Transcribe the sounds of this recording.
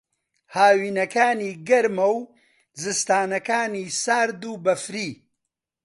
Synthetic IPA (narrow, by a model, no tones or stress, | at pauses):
haːwiːnɐkaːniːɡɐɾmɐw | zɨst̪aːnɐkaːniːsaːɾd̪uːbɐfɾiː